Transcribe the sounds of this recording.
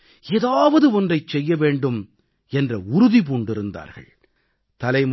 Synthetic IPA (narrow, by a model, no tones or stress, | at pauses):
eːðaːʋɐðɯɔndrɐɪt͡ʃt͡ʃɛjːɐʋeːɳɖɯm | ɛndrɐʊɾʊðip̬uːɳɖɪɾɯnd̪a̰ːɾɣɐ̰ɭ | t̪ɐlɐɪm